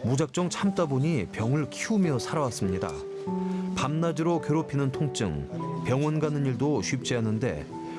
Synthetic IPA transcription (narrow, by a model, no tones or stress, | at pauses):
mud͡ʑak̚t͡ɕ͈ʌŋt͡ɕʰamt͈aboɲipjʌŋɯɭkʰiumjʌsʰaɾawas͈ɯmɲida̰ | pamnad͡ʑiɾokjeɾopʰinɯntʰoŋt͡ɕ͈ɯ̰ŋpjʌŋwʌnɡanɯniɭdoɕʰɥip̚t͡ɕ͈eɦanɯnde̞̰